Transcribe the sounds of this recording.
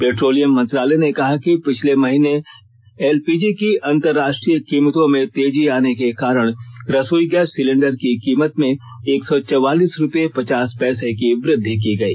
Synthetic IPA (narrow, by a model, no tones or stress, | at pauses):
peːʈɾoːlijəmːɐ̃nt̪ɾaːlɛnekɐɦakipɪt͡ʃʰlemɐɦiːne | ɛːlpiːd͡ʒikiɐ̃nt̪əɾːaːʃʈɾijəkiːmt̪õmẽt̪eːd͡ʒiaːnekekaːɾəɽ̃ɾɐsuːiɡɛːsːɪlẽɳɖəɾkikiːmət̪mẽ | eːksɔt͡ʃɐwaːliːsɾʊpepɐt͡ʃaːspɛːsekiʋɾɪd̪ʱːikiɡɐiː